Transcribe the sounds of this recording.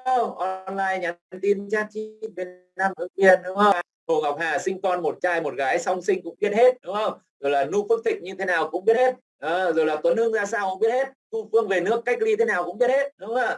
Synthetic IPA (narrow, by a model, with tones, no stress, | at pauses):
ə˧˩wʔɔ˧nlaː˧jɲaː˨˦nt̪i˧nt͡ɕaː˧˩n̚t͡ɕi˦ɓeː˨˧˩ | a˧mʔəː˨˦jki˧˩əɗʊ˨˦ŋ͡mhə˧ | mo˨˩ŋa˨˩wk͡p̚haː˨˩sï˧ŋ̟kɔ˧nmo˨˩t̚t͡ɕaː˧jmo˨˩t̚ɣaː˨˦jsa˧wŋ͡msï˧ŋ̟kʊ̰˧˥ŋ͡mɓi˦˥ət̚he˦˥t̚ɗʊ˨˦ŋ͡mhə˧wŋ͡m | zo˨˩jlaː˨˩nu˦˥fɨ˦˥k̚t̪ʰï˨˩k̚ɲɨ˧t̪ʰe˨˦naː˨˩wkʊ̰˧˥ŋ͡mɓi˦˥ət̚he˦˥t̚ | ʔɔː˨˦zo˨˩jlaː˨˩t̪o˨˦nɨ˧ŋzaː˧saː˧wkʊ̰˧˥ŋ͡mɓi˦˥ət̚he˦˥t̚t̪u˧fɨ˧əŋve˨˩nɨ˦˥əkːa˦˥jk̚li˧t̪ʰe˨˦naː˨˩kʊ̰˧˥ŋ͡mɓi˦˥ət̚he˦˥t̚ɗʊ˨˦ŋ͡maː˧˩